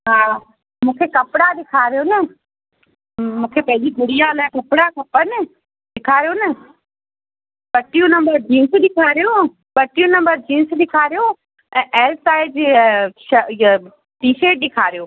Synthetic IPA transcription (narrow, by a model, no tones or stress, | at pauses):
ɦaː | mũːkʰekɐpɪɽaɗɪkʰaːɾjoːnə | mũːkʰepɐ̃ɦɪ̃d͡ʑibʱʊɽijalaːkɐpɽakɐpənɪ | ɗɪkʰaːɾijoːnɪ | ɓɐʈijũnɐ̃mbəɾd͡ʑĩːnsɗɪkʰaːɾijo | ɓɐʈijũnɐ̃mbəɾd͡ʑĩːnsɗɪkʰaːɾijoː | ɛ̃ːʔɛːlsaːɪd͡ʒʃ | ʈiːʃeːʈ̚ɗɪkʰaːɾijoː